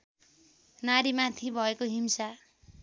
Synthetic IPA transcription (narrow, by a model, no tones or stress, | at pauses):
naɾimat̪ʰibʱʌekoɦimsa